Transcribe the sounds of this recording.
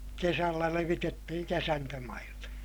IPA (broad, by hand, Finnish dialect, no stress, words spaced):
kesælːæ leʋitetːihiŋ kesæntømɑilːe